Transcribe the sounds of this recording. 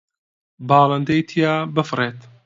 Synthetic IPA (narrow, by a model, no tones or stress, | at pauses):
bɑːlɐnd̪ɐjt̪ʰijaːbɨfɨreːt̪